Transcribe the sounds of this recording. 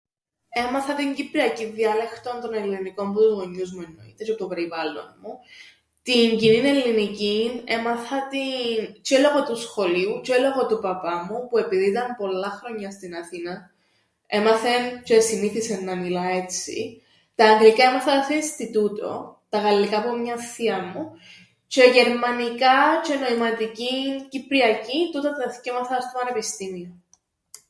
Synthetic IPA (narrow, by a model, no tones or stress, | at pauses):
e̞mɐθɐt̪iɲɟipɾiɐciðiɐlext̪o̞nt̪o̞ne̞lːiniko̞mput̪uzɣo̞ɲːuzmue̞nːoḭt̪ecet̪ope̞ɾivɐlːo̞̰nmu | t̪iɲɟinine̞lːinicine̞mɐθɐt̪int͡ʃelo̞ɣot̪usxo̞liut͡ʃeloɣot̪upɐpɐmupue̞piðit̪ɐmpo̞lːɐxɾo̞ɲːɐst̪inɐθinɐ | e̞mɐθent͡ʃesiniθisenːɐmilɐe̞t͡sːḭ | t̪ɐːŋɡlikɐemɐθɐseist̪it̪ut̪o̞̰t̪ɐɣɐlːikɐːpomɲɐθiɐmu | t͡ʃeʝe̞ɾmɐnikɐt͡ʃeno̞imɐt̪icincipɾiɐcit̪ut̪ɐt̪θicemɐθɐst̪opɐne̞pist̪imio